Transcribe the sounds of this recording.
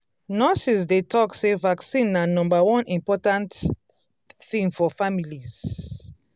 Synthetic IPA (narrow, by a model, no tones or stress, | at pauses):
nɔsisdetʰɔksevaksĩnːanɔ̃mbawɔ̃nĩmpɔtãnt | θĩŋfɔfamiliz̥